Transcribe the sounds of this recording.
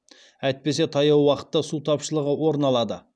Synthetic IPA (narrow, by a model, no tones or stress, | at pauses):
æjt̪̚pe̞se̞t̪ʰɑjɑwwɑqə̥t̪ːɑsut̪ʰɑpʃəlˠəʁəwo̞ɾənɑlˠɑd̪ə̰